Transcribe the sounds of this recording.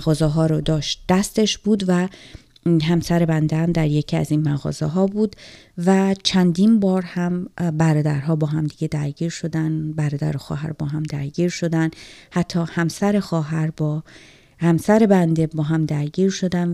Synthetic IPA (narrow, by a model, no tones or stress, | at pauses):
ɣɒːzeɦɒːɾod̪ɒːʃt̪̚d̪̥æst̪e̞ʃb̥uːd̪væ | ɦæmsæɾe̞bænd̪ehæmd̪æɾje̞cʰiæ̰zinmæɣɒ̰ːzeɦɒːbuːd̪ | væt͡ʃʰænd̪iːnbɒːɾhæmbæɾɒːd̪æɾɦɒːbɒːɦæmd̪iɟe̞d̪æɾɟiːɾʃo̞d̪ænbæɾɒːd̪æ̰ɾexɒ̰ːɦæ̰ɾbɒːɦæmd̪æɾɟiːɾʃo̞d̪ænd̪hæt̪ʰːɒːhæmsæɾe̞xɒːɦæɾbɒ | hæmsæɾe̞bænd̪e̞bɒːɦæmd̪æɾɡiːɾʃo̞d̪æn